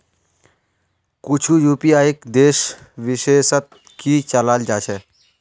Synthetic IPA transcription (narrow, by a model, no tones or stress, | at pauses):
kʊt͡ʃʰujuːpijaːɪkd̪eːʃ | ʋɪʃeːʃət̪̚ | kit͡ʃəlaːld͡ʒaːt͡ʃʰɛː